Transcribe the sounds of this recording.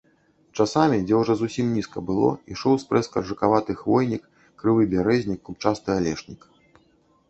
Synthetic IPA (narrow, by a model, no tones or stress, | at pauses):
t͡ʂasamʲid͡zʲɛwuʐɔzusʲimnʲiskɐbɨlˠɔ̰iʂɔwspɾɛskɐrʐɨkavat̪ɨxvɔjnʲikː | ɾɨvɨbʲaɾɛzʲnʲikːup̚t͡ʂast̪ɨalʲɛʂnʲikɐ